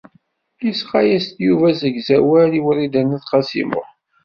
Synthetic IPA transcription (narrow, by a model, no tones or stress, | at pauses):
jisqɑjæst̪juvæzəɡzæwæliwəɾid̪ænæθqɑsḭmʊ̰ʁ